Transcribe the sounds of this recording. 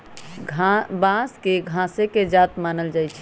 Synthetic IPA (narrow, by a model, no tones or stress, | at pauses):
ɡʱbãskeɡʱãseked͡ʒat̪manəld͡ʒajt͡ʃʰɛ